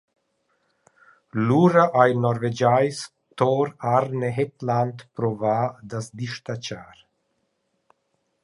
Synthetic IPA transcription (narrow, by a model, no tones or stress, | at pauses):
luɾaʔajnɔɾved͡ʒajs | t̪ɔɾaɾneɦet̪lant̪pɾɔvaːd̪asd̪iʃt̪at͡ʃaːɾ